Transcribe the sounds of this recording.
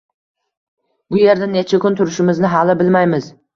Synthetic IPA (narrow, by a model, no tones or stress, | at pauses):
bʊje̞ɾd̪ane̞t͡ʃʰakʲʊnt̪ʰʊɾɪʃɪmɪznɪɦalɪbɪlmajmɪz